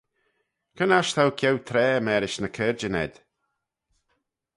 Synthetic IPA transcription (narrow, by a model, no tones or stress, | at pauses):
kʰənaʃt̪ʰawkʰjɛwt̪ʰɾɛːəmɛːɾɪʃnəkʰɛːɾd͡ʒənɛ̰d̪̥